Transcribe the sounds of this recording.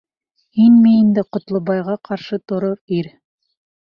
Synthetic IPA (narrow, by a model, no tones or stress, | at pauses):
hinmiind̪ɘqŏt̪lˠŏβɑjʁɑqʰɑɾʃɤt̪ŏɾoɾiɾ